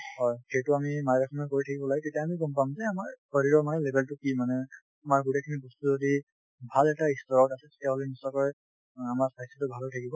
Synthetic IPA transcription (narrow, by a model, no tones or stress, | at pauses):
hɔjxejtʊamimajɹakʰɔmɔkoɹitʰakibɔlaɡɛtetijaːmiɡɔmpamzɛamaɹkɔɹiɹɔɹmanɛlebʱeltukimanɛ | amaɹɡutekʰiniɡustuzodi | bʱalɛtaistɔɹɔkasɛtɛjaɦolɛnisɔkɔj | amaɹsajsitʊbʱalɔtʰakibɔ